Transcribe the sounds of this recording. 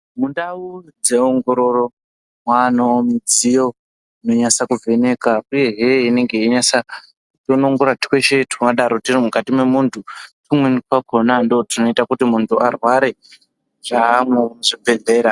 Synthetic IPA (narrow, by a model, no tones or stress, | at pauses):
mundaud͡ze̞oŋɡo̞ɾo̞ɾo̞ | mwanomid͡zijo̞ | ino̞ɲasakuvʱe̞ne̞kauje̞ɦeine̞ŋɡe̞iɲasa | tonoŋɡorrati̥kweʃetkaɗaɾotirimukatimwe̞muntʰutumwenikwakʰonandotino̞itakutimuntʰuarwaɾe | ʐ̥ameʐibʱe̞ɮe̞ːɾa